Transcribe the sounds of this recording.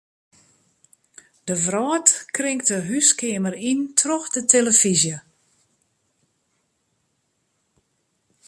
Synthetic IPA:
d̥əvrɔːtkrɪŋk̚təɦyskɪəmərintʰroxdətʰeləfizjə

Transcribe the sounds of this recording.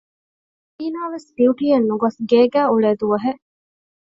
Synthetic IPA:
iːnaːʋesbiuʈiːɐnːuɡɐsɡeːɡæːuɭeːd̪uʋɐɦeʔ

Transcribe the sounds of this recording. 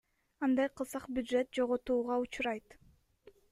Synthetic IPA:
ɑnd̪ɑjqʰɯlˠsɑqbʲjʊd̪ʒe̞t̪̚d͡ʒo̞ʁot̪uːʁɑut͡ʃɾɑjt̪

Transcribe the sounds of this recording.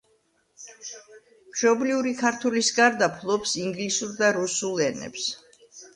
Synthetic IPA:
mʃʰɔbliuɾikʰaɾt̪ʰulisɡaɾd̪apʰlˠɔpsiŋɡlisuɾd̪aɾusulˠɛnɛ̰ps

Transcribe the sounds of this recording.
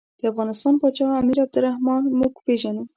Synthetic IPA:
d̪̥əæfɣɑnɪst̪ɑːnpɑt͡ʃɑɣɑæmiːɾæb̚d̪ɨɾæhmɑnmukbeʒænum

